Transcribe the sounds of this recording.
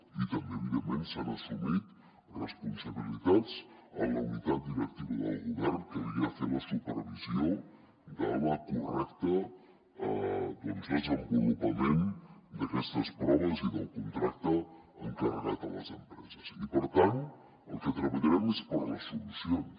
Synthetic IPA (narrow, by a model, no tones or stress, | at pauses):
it̪əmbeβiðəmensanasumit̪ | rəspunsaβ̞ilit̪at͡sələunit̪at̪̚d̪iɾək̚t̪iβəðə̰lˠɣuβɛɾnkəiɾiafeɾləsupəɾβizio | d̪ələkurɛkt̪ə | d̪ɛnzðəzəmbulupəmend̪əkɛst̪əspɾɔβəziðəlˠkunt̪ɾakt̪əː | ŋkaɾəɾat̪ələ̰zəmpɾɛzəzipəɾt̪ant̪ | əlˠkət̪ɾəβəʎəɾɛmespəɾləsulusion